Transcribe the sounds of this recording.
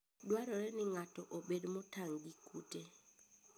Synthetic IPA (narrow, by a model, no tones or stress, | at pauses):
ɗwaɾɔɾɛnɪŋatɔʔoɓedmɔtaŋɡikute